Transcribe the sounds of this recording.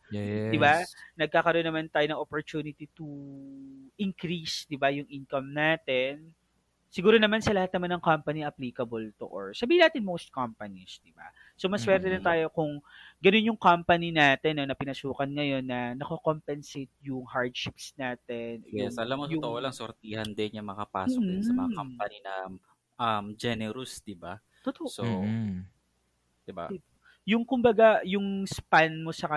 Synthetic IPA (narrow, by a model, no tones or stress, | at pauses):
ɛd̪ɪbanɐɡ̚kaːkɐɾonːɐmant̪aːjonɐŋʔopoɹt̪uːnɪt̪it̪u | ʔɪŋkɾisd̪ɪbajʊŋʔinkɐmnaːt̪ɛn | sɪɡuːɾonɐmansɐlɐhat̪̚ɐmanːɐŋkampɐniʔɐpliːkɐbɐlt̪oʔoɹsɐbiːhɪnaːt̪ɪnmowst̪̚kampɐnisd̪ɪba̰ | somɐswɛɾt̪ɛd̪ɪnt̪aːjo̞kʊŋɡɐno̞njʊŋkampɐninaːt̪ɛnːonɐpɪnɐsuːkɐnŋɐjo̞nːɐnɐkokompɛnset̪̚jʊŋhaɹd̪ʃɪpsnaːt̪ɛnʔjɛsʔɐlamot̪ʊt̪oʔolɐŋso̰ɾt̪iːhɐnd̪ɪnjɐŋmɐŋapa̰ːsod̪ɛsɐmɐŋakampɐninɐ̰ | ʔɐmd͡ʒɛnɛɾʊsd̪ɪba̰ | t̪ot̪oso | d̪ɪba̰ | jʊŋkʊmbɐɡajʊŋspanmo̞sɐkɐ